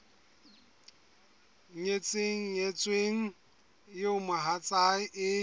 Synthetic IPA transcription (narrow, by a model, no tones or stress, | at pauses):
ɲet͡sʼeŋ̩ɲet͡sʼweŋ̩ | jomaɦat͡sʼaɪʔɪ